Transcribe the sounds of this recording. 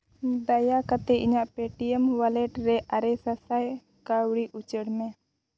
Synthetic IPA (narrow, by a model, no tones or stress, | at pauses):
d̪ajakat̪ɛiɲaʔpeʈiɛmwalɛʈɾɛʔaɾɛsasaj | kawɽiʔut͡ʃəɽmɛ̃